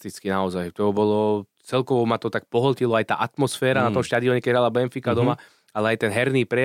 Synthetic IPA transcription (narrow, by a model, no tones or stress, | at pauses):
t̪it͡skinaɔzajt̪ɔɔbɔlɔ | t͡sɛlkɔʋɔmat̪ɔt̪ak̚pɔɦɔlcilɔajt̪a̰ːʔat̪mɔsfɛːɾanat̪ɔmʃt̪ad̪iɔɲɛkɛɟɦɾalabɛnfikad̪ɔma | alɛajt̪ɛnɦɛɾniːpɾɛ